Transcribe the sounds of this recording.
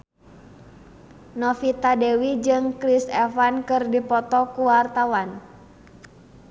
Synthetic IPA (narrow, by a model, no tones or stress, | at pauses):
nɔfit̪adɛwid͡ʒɨŋkɾisɛfankɨrdipɔt̪ɔkuwart̪awan